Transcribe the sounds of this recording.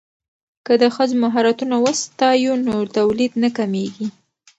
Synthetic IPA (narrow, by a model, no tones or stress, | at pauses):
kəd̪əxəzmaɦaɾat̪unawəst̪ɑjunot̪awlid̪nakameɡi